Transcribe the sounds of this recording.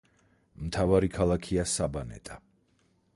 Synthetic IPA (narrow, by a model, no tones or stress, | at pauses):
mt̪ʰavaɾikʰalˠakʰiasabanɛ̰t̪ʼa